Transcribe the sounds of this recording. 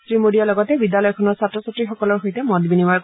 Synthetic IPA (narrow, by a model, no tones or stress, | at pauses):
sɹimodijalɔɡɔtɛbidjalɔjɔkʰɔnɔɹsatɹɔsatɹixɔkɔlɔɹxojtɛmɔdbinimaj